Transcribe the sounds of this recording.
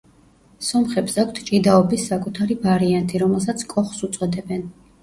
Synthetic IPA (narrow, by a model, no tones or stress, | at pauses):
sɔmχɛbsakʷʰt̪ʰt͡ʃʼid̪aɔbisːakʼut̪ʰaɾivaɾiant̪ʼiɾɔmɛlˠsat̪sʰkʼɔχsut̪sʼwɛd̪ɛbɛn